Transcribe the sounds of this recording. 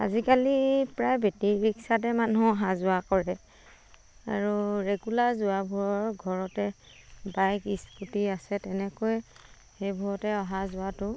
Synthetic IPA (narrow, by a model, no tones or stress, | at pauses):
a̰zikalipɹajbʱetiɹiksat̬ɛmanuɔɦazʊakɔɹɛ | a̰ɹuɹeɡulaɹzʊabʱuɹɔɹɡʱɔɹɔtɛ | bajkisputiasɛtɛnɛkoj | xejbʱuɹɔtɛɔɦazʊatʊ